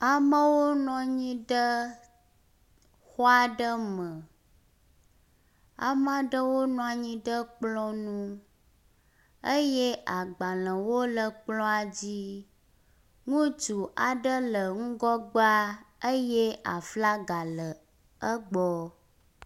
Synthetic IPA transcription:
a˨mə̃˦wo˦nɔ̃˨ɲĩ˦ɖə˦ | xɔ˦a˨ɖə˦mə̃˨ | a̰˨mã˦ɖə˦wo˦nɔ̃˦a˨ɲĩ˦ɖə˦k͡plɔ̃˦nũ˦ | ə˦je˦ʔa˨ɡ͡ba˨lə̃˨wo˦lə˨k͡plɔ̃˦a˨d͡ʑi˦ | ŋũ˦d͡ʒu˨ʔa˨ɖə˦lə˨ŋ̩̃˦ɡɔ˦ɡ͡ba˦ə˦jɛ˦ʔa˨fla˦ɡa˨lə˨ | ə˦ɡ͡bɔ˦

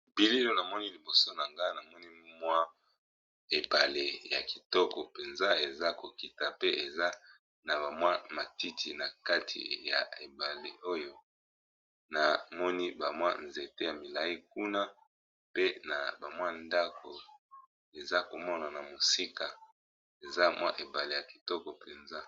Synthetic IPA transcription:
bi˦li˦lo˦na˨mɔ˦ni˦li˨bo˨so˦na˨ŋɡa˦na˨mɔ˦ni˦mwa˦ | e˨ba˨le˨ja˨ki˨tɔ˦kɔ˨pe˨nza˦e˨za˦ko˨ki˨ta˨pe˦e˨za˦ | na˨ba˨mwa˦ma˨ti˦tʰḭ˨na˨ka˦tʰḭ˨ja̰˨e˨ba˨le˨o˦jo˦ | na˨mɔ˦ni˦ba˨mwa̰˦nze˨te˦ja˨mi˨la˨i˦k̚u˦na˦ | pe˦na˨ba˨mwa˦nda˦kʰo˨ | e˨za˦ko˨mɔ˦na˨na˨mo˨si˦ka˨ | e˨za˦mwa̰˦ʔe˨ba˨le˨ja˨ki̥˨tɔ˦kɔ˨pe˨nza˦

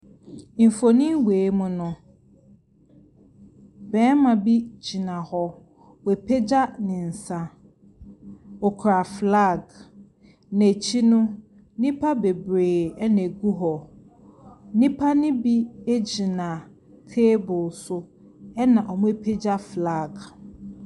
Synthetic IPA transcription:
m̩˨fo˨nĩ˦weː˨˦mʊ̃˦nʊ̃˨ | bɛ̃ː˨˦mã˨bi˦d͡ʑi˨nã˨hɔ˦ | we˨pʰe˦d͡ʑa˦nɪ̃˨n̩˨sã˦ | ɔ˨kʰɾa˨fla˦˨ɡ | næ˨t͡ɕʰi˦nʊ̃˦ | nĩ˦pʰa˦be˨bɾeː˨ɛ˦næ̃˨ɡu˦ɦɔ˨ | nĩ˦pʰa˦nɪ̃˦bi˦e˦d͡ʑi˨nã˨ | tʰeː˦bʊ˨sʊ˦ | ɛ˦nã˨ʔɔ˨mʊ̃˦e˦˨pʰe˦d͡ʑa˦fla˦˨ɡ

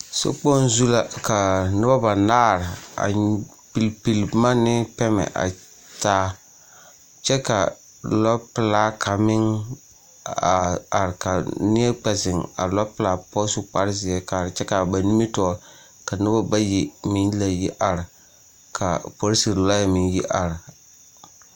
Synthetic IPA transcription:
so̰˦k͡pɔ˦n˦zu˦la˦ka˨nɪ˦ba˦ba˨naː˦ɾɪ˨a̰˨ | pi˨lpi˨lma˦nɪ˦pɛ˦mɛ̰˨ʔa̰˨ | taː˦ | t͡ʃɛ˦ka̰˨ | lɔ˦pɪ˨laː˦kʰa˨mɪ˦ŋ | a˨a˨ɾɪ˨ka˨nɪ˦ɛ˦k͡pɛ˨sɪ˨ŋa̰˨lɔ˦pɪ˨˦laː˨˦pɔ˦sʊ˦k͡pa˦ɾzɪ˨ɛ˦kaː˨ɾɪ˨t͡ʃɛ˦ka˨ba˨ni˦mi˦tɔː˨˦ | ka˨nɪ˦ba˦ba˦ji˦mɪ˦nla˦ji˦ʔa˨ɾɪ˨ | kʰa̰˨po˦ɾsi˨ɾla˦ja˨mɪ˦ŋji˦ʔa˨ɾɪ˨

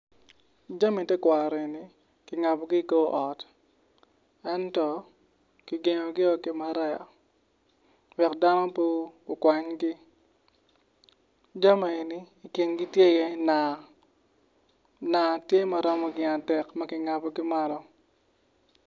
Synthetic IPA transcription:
d͡ʒa˦mi˨tɛ˦kwa˨ɾe˨ni˨ | kɪ˨ŋa˨pɔ˨ɡi˦ko˦ʔɔ˨t | ɛ˦ntɔ˨ | ki˨ɡe˨ɲɔ˨ɡɪ˦ɔ˨ke˨ma˨ɾɛ˦a̰˨ | wɛ˨kda˦nɔ˦po˦o˨kwa˨ɲɡɪ˦ | d͡ʒa˦ma˨e˨niː˦˨kje˨ŋɡi˦tje˦jɛ˦na˨ | na˨tje˦ma˨ɾɔ˦mɔ˦ɡɪ˦a˨tɛ˨kma˦kɪ˨ŋa˨pɔ˨ɡɪ˦ma˦lɔ˦

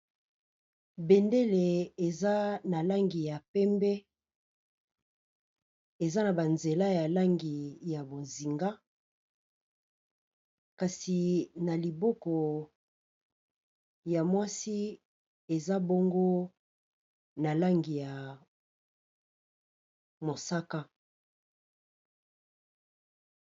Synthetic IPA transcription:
be˨nde˦le˨e˨za˦na˨la˦ŋɡi˨ja˨pɛ˦mbɛ˦ | e˨za˦na˨ba˨nze˨la˦ja˨la˦ŋɡi˨ja˨bo˨zi˨ŋɡa˦ | ka˨si˨na˨li˨bo˦kɔ˨ | ja˨mwa˦si˦ | e˨za˦bo˦ŋɡo˦ | na˨la˦ŋɡi˨ja˨ | mo˨sa˦ka˦

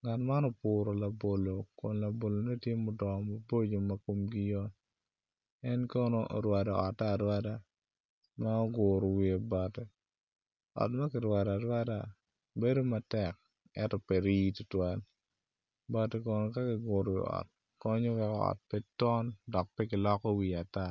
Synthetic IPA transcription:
ŋa˨tma˦nɔ˨pʊːɾo˨la˨bo˨lo˨ko˨nla˨bo˨lo˨ne˦tje˦mʊ˦dɔ˨ma˨bo˦d͡ʒo˨mako˦mɡɪ˦jɔ˦ | ɛ˦nko˦noʔɾwa˨da˨ɔ˨ta˦˨dwa˦da˦ | ma˦ɔ˦ɡʊɾo˨wie˨ba˨tɛ˨ | ɔ̰˨tma˦kɪ˨ɾwa˨da˨ɾwa˦da˨ | be˦do˦ma˦tɛ˨k̚ | ɛ˦tɔ˨pɛ˨ɾitu˦twa˦l | ba˨tɛ˨kɔ˦no˨ka˦kɪ˨ɡʊ˨ɾɔ˨wḭ˨ɔ̰˨t̚ | kɔ˦ɲɔ˦wɛkɔ˦ɔ̰˨t̚pɛtɔ˦ndɔ˨k̚pɛ˦kɪ˨lɔ˦kɔ˦wi˨a˨ta˦

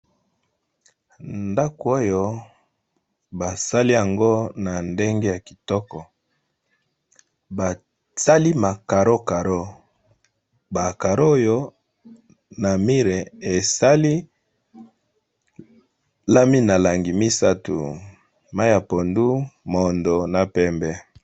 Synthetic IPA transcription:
nda˦ko˨o˦jo˦ | ba˨sa˦li˦ja˨ŋɡo˦na˨nde˦ŋɡe˦ja˨ki̥˨tɔ˦kɔ˨ | ba˨ | sa˦li˦ma˨ka˨ɾo˦ka˨ɾo˦ | ba˨ka˨ɾo˦jo˦ | na˨mi˦ɾe˨e˨sa˦li˦ | la˦mi˦na˨la˨ŋɡi˨mi˦sa˦tṵ˨ | ma˦a˨po˨ndu˦mo˨ndo˨na˨pɛ˦mbɛ˦

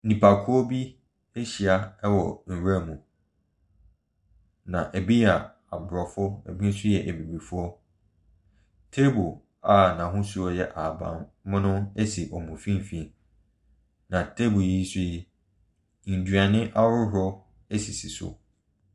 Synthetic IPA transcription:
nĩ˨pʰa˨kʰʊ˦ɔ˦bi˦ | e˦ɕi˨a˨ɛ˦wɔ˨n̩˨ɾa˦˨mũ˨ | nã˨ʔe˨bi˦a˨ | a˨bʊ˨ɾɔ˨fʊ˦ɛ̰˨bĩ˦n̩˦sʊ˦jɛ˨ʔe˨bi˨bi˨fʊ˦ɔ˦ | tʰe˦bʊ˨ | a˨nã˨ɦʊ̃˦su˦ɔ˦jɛ˦ʔa˨bã̰˨nmʊ̃˦nʊ̃˦ɛ˦si˨ʔɔ˨mũ˨fĩ˦m˨fĩ˦ | nã˨tʰe˦bʊ˨ji˦sʊ˦i˨ | n̩˨dɥa˨nɪ̃˦ʔa˦ʊ˦ɦʊ˨˦ɔ˦ | e˦si˨si˨sʊ̰˨

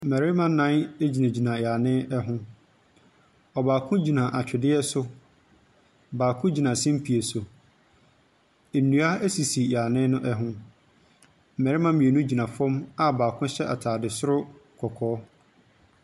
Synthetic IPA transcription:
m̩˨mɛ˨ɾɪ˦mã˦nã˦ne˦d͡ʑi˨nã˨d͡ʑi˨nã˨jaː˨nɪ̃˦ɛ˦ɦʊ̃˦ | ɔ˨baː˨kʰʊ̃˦d͡ʑi˨nã˨ʔa˨t͡ɕᶣɪ˨dɪ˦ɛ˦sʊ˦ | baː˨kʰʊ̃˦d͡ʑi˨nã˨sĩ˦m̩˦pʰi˨e˨sʊ˨ | e˨nːũ˨a˦æ˦si˨si˨jaː˨nɪ̃˦nʊ̃˦ʔɛ˦ɦʊ̃˦ | m̩˨mɛ˨ɾɪ˦mã˦mĩ˨e˨nũ˦d͡ʑi˨nã˨fɔ̃˦ma˨baː˨kʰʊ̃˦ɕɛ˦ʔa˨tʰaː˨dɪ˨sʊ˦ɾʊ˦kʰɔ˨kʰɔː˨˦

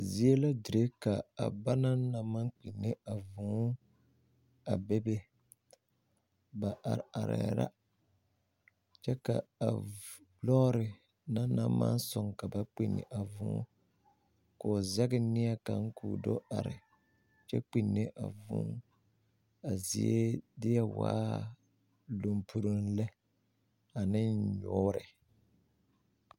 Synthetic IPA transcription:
zi˦e˦la˦di˨ɾe˦ka˨a˨ba˦na˦na˨ma˦ŋk͡pi˨nːe˦a˨vũ˨˦ | a˨be˦be˦ | ba˨ʔa˨ɾa˨ɾɛ̰˨ɾa̰˦ | t͡ʃɛ˦ka̰˨a˨blɔ˦ɾɪ˨ | na˦na˦ma̰˦n˦sʊ˨ŋka˨ba˦k͡pi˨nːɪ̰˨ʔa˨vʊ̰̃ː˨˦ | kʊ˨zɛ˦ɡɪ˦nɪ˦a˦ka˨ŋ̩˦kʰuː˨do˦a˨ɾɪ˨ | t͡ʃɛ˦k͡pi˨nːɪ˦ʔa˨vʊ̰̃˦ | a˨zi˨e˦dɪ˦jɛ˦waː˦ | lu˨mpʰu˦ɾu˦nlɛ˦ | a˨nɪ˦nɲʊ˦ɾɪ˨

